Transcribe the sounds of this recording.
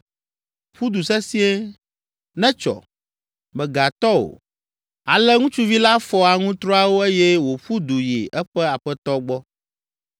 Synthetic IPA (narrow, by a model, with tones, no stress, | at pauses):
ɸu˦d̪u˨sɛ˦si˦ɛ˦ | nɛ̃˦t͡ʃɔ̰˨ | mɛ̃˨ɡa˨t̪ɔ˦o̰˨ | a̰˨lɛ˦ŋũ˦t͡ʃu˦vi˦la˦fɔ˦a˨ŋũ˦t̪ɾɔ˦a˦wo˦e˦jɛ˦wo˨ɸu˦d̪u˨jḭ˨ʔɛ˦ɸɛ˦a˨ɸɛ˦t̪ɔ˦ɡ͡bɔ˦